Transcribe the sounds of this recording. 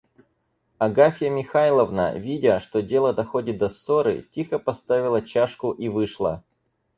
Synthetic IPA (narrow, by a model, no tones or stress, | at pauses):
ɐɡafʲɪjəmʲɪxajlˠəvnə̰vʲidʲəʂt̪o̞dʲelˠəd̪ɐxodʲɪt̪̚d̪ɐsoɾɨ̰tʲixəpɐst̪avʲɪlˠət͡ɕaʂkʊʔivɨʂlˠə̰